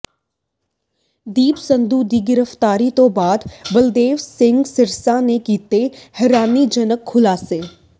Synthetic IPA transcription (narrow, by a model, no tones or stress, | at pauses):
d̪iːbsə̃nd̪uːd̪iːɡɪɾəft̪aːɾit̪õːbaːd̪bəld̪eːʋsɪ̃ŋɡsɪɾsanekiːt̪ehɛɾaːnid͡ʒənəkʰːʊlaːseː